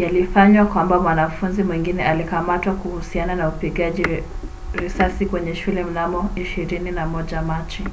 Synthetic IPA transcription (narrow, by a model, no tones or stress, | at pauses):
jalifaɲwakwambamwanafunzimwiŋɡinɛalikamatwakuhusiananaupiɠaʄi | ɾisasikwɛɲɛʃulɛm̩namɔiʃiɾininamɔʄamat͡ʃi